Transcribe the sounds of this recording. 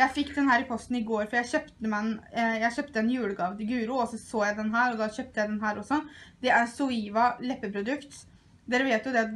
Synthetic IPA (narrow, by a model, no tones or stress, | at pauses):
jæɪfɪkːd̪ɛnhæːɾɪpʰɔst̪n̩ɪɡoːɾfɔɾjæɪçøːpt̪əmɛnjæɪçøːpt̪əɛnjʉːləɡɑʋd̪ɪɡʉːɾʊːɔsɔsoːjæɪd̪ɛnɦæːɾɔd̪ɑçøːp̚t̪əjæɪd̪ɛnɦæːɾɔsːɔd̪̥ɛʔæɾsʊiːʋɑlɛpːəpʰɾʊd̪ʉkt̪ | d̪eːɾəʋeːt̪jʊd̪ɛ